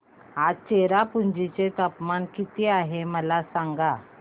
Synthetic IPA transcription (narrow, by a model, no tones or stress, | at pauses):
at͡ɕeɾapuɲd͡ʑit͡ɕet̪əpmankit̪iaɦeməlasaŋɡa